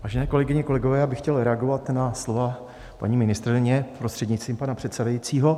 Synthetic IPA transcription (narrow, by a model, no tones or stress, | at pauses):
vaːʒɛnɛːkolɛɡɪɲɛko̞lɛɡovɛːjaːbɪxcɛlɾɛaɡo̞vat̪naslova | pa̰ɲiːmɪnɪst̪ɾɪɲɛpɾo̞st̪r̥ɛdɲɪt͡st̪viːmpanapr̝̥ɛt̪savajit͡siːɦo̞